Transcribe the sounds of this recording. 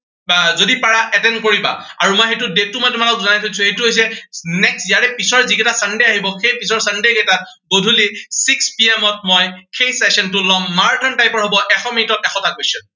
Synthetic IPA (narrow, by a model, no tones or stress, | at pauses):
zodipaɹaʔɛtɛnkoɹiba̰aɹumɔjxetudetːumɔjtʊmalɔkzɔnajtʰosʰũejtuɦojs̬ɛnɛksijaɹɛpisɔɹzikɛtasandeaɦibɔxejpisɔɹsandekɛta | ɡodʱulisikspiɛmɔt̚mɔjxʰejsɛsɔntulɔmːaɹdɔntajpɔɹɦobɔʔɛxɔminitɔtɛxɔtakestɔn